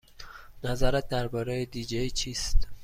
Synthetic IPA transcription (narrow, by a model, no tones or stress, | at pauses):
næzæɾæt̪̚d̪æɾbɒːɾejed̪iːd͡ʒejt͡ʃʰiːst̪